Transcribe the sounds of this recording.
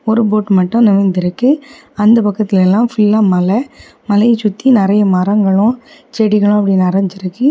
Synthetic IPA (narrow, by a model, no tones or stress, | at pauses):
ɔɾɯp̬oːʈːmɐʈːʊ̃nɪʋɐnd̪ɪɾɯkːɯ | ɐnd̪ɐpɐkːɐt̪ːɪlɛlːãːfɪlːãːmɐlɐ | mɐlɐjt͡ʃʊt̪ːinɪɾɐjɐmɐɾɐŋɡɐɭʊ̃t͡ʃɛɽɪɣɐɭʊ̃ɐp̬ːɐɽɪnːɐɾɐɲd͡ʒɪɾɯkːɯ